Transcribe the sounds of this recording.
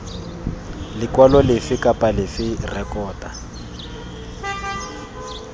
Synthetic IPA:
lɪkwalɔlɪfɪkapʼalɪfɪrɛkɔːta

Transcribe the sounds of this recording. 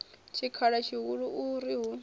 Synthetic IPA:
t͡ʃʰikʰaɺat͡ʃʰiɦuɺuʔuɾiɦu

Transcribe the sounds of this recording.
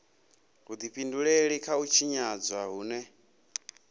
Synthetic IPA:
ɦud̪iɸinduɺeɺikʰaut͡ʃʰiɲad͡zwaɦuːnɛ

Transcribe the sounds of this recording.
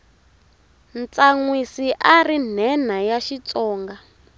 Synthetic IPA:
nt͡saŋwisiʔarin̤ɛnajaʃit͡sɔːŋɡa

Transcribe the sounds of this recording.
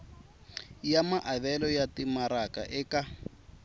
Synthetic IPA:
jamaʔaβɛlɔjatimaɾaka̰ʔɛka

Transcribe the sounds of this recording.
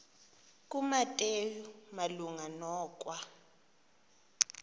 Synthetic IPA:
k̬ʼumatʼejumaluŋanɔːk̬ʼwa

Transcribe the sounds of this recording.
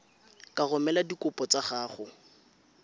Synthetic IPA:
kʼaɣʊmɛladikʊpʼɔt͡saχaːχʊ

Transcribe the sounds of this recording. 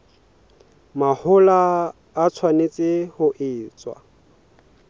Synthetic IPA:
mahʊlaː | t͡sʰwanet͡sʼɪhʊʔɪːt͡sʼwa̰

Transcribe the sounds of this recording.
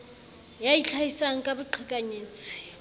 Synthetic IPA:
jait͡ɬʰajisaŋ̩kʼabʊǃʰikʼaɲeːt͡sʰʼɪ̥

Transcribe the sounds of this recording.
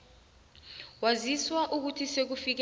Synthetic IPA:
waziswaʔuk̬utʰisek̬ufik̬

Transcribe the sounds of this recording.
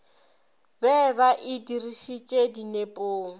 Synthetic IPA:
bɛβaʔidiriʃit͡ʃʼedinepʼoːŋ̩

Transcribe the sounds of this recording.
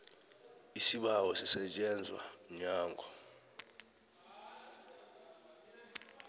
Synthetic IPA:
isiɓawɔsisɛt͡ʃʼɛnd͡zʱwa̰ɲaːŋɡʱɔ

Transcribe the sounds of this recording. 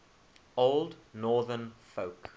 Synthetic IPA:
oʊlˠdnɔːðənfoʊk

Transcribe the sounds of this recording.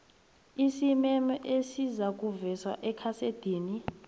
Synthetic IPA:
isimɛmɔʔesizak̬uvɛswa̰ʔɛkʰased̥ʱiːni

